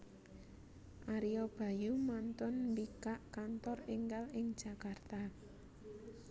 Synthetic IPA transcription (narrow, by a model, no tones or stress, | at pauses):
ʔaɾiob̥ä̤jumant̪ʊnmbikaʔkant̪ɔrɪŋkalɪŋd̥ʒ̥a̤kart̪a